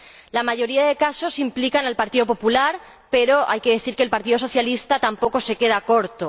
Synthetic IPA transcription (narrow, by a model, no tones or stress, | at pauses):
lamaʝo̞ɾiaðe̞kaso̞simplikanalpaɾt̪iðo̞po̞pulaɾ | pe̞ɾo̞ʔa̰jke̞ðe̞θiɾkeːlpaɾt̪iðoso̞θjalist̪at̪ampo̞ko̞se̞ke̞ð̞ako̞ɾt̪o